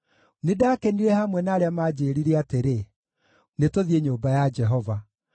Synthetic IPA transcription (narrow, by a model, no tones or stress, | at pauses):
nedakeniɾɛhamwɛnaːɾeamad͡ʑeɾiɾeateɾe | netoðieɲoːmbajad͡ʒɛɦɔva